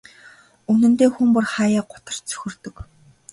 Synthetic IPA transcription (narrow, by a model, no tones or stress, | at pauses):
unɘ̆nt̪eːxumpʊrχaːjaːɢʊt̪ə̆r̥t͡sʰɵ̥xʲɵ̆rt̪ɵ̆k